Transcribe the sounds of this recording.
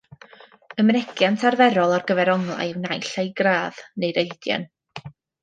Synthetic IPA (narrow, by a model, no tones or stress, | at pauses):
əmnɛɡjantʰarvɛɾɔlˠarɡəvɛɾɔŋlˠa̰jwnajɬajɡraːð̥nejɾeɨdja̰n